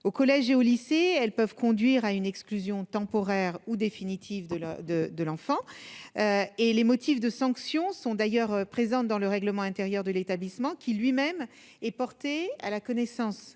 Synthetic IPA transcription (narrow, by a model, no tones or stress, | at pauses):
okɔlɛʒeoliseɛlpœvkɔ̃d̪ɥiʁaynɛksklyzjɔ̃t̪ɑ̃pɔʁɛʁud̪efinit̪ʰivd̪əd̪əd̪əlɑ̃fɑ̃øelemɔt̪ʰifd̪əsɑ̃ksjɔ̃sɔ̃d̪ajœʁpχezɑ̃d̪ɑ̃ləʁɛɡləmɑ̃ɛ̃t̪ɛʁjœʁd̪əlet̪ablismɑ̃kʲʰilɥimɛm | ɛpɔʁt̪ea̰lakɔnɛsɑ̃s